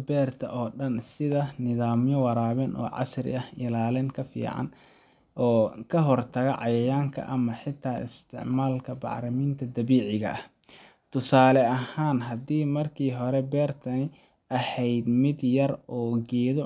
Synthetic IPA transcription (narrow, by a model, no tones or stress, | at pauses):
bɛːrt̪ʰɐ̰ʔɔːɖɐnsɪðɐnɪðaːmjɔwɑɾaːβɛnʔɔ̰ːʕɑ̰srɪ̰ʔɐhɪlaːlɛːnkʰɐfḭːʕɑ̰n | ʔɔːkʰɐɦɔrt̪ʰɐɣɐʕɑ̰jɐjaːŋkʰɐ̰ʔɐmɐħɪt̪ʰːaːʔɪ̰st̪ʰɪ̰ʕmaːlkʰɐbɑ̰ʕɾɐmiːnt̪ʰɐd̪ɐβiːʕɪɣɐ̰ʔɐh | t̪ʰʊsaːlɛɐhaːnɦɐdiːmɐrkʰiːɦɔɾɛbɛːrt̪ʰɐnɪ | ʔɐhɛjd̪mɪd̪jɐrɔːɡɛːðɔ